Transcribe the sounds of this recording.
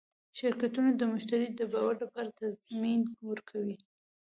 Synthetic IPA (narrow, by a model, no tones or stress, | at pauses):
ʃɪɾkat̪unod̪əmʊʃt̪aɾid̪əbɑwaɾlapɑɾat̪azminwəɾkʰawi